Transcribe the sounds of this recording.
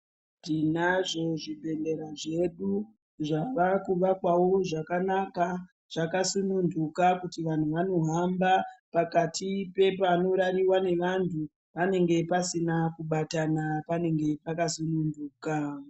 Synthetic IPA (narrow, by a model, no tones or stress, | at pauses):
dinaʐo̞ʐibʱe̞nde̞ɾaʐe̞ɗu | ʐaʋakuʋakwawo̞ʐakanaka | ʐ̥akasunundukakutiʋan̤uʋano̞ɦambapakatʰipe̞pano̞ɾaɾiwane̞ʋantʰu | ʋane̞ŋɡe̞pasinakuɓatanapane̞ŋɡe̞pakasununduːka